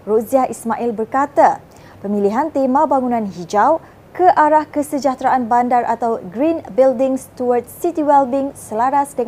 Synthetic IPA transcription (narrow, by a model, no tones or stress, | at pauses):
roziahismaʔilbərkat̪a | pəmĩliɦant̪emãbaŋunãnɦid͡ʒaw | kəʔaɾahkəsəd͡ʒat̪ɾaʔanbandarʔat̪awɡɾinbildɪŋst̪uwartsit̪iwɛlbiŋsəlaɾasdəŋ